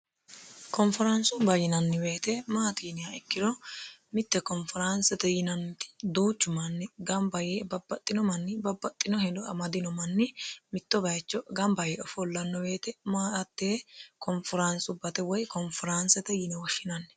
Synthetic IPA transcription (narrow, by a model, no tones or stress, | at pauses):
kɔnfɪɾɐnsʊbɐjɪnɐnːɪbeːt̪ɛmaːt̪iːnɪjaɛkːɪd̪ɔmɪt̪ːɛkɔnfɪɾansɛt̪ɛjɪnɐnt̪ɪ̥d̪uːt͡ʃːʊmɐnːɪɡɐmbɐjebɐbːɐt̪ʼːɪnɔmɐnːɪbɐbːɐt̪ʼːɪnɔhɛd̪ɔɐ̰mɐd̪ɪnɔmɐnːɪmɪt̪ːɔbɐjt͡ʃːɔɡɐmbɐjɛʔɔfɔlːɐnːɔbe̞ːt̪ɛmaːɐt̪ːeːkɔnfɪɾansʊbɐt̪ɛwɔjkɔnfɪɾansɛt̪ɛjɪnɛwɔʃːɪnɐnːɛ̥